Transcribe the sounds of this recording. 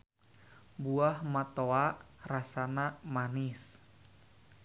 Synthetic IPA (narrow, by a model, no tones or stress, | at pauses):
buahmat̪oarasanamanɪs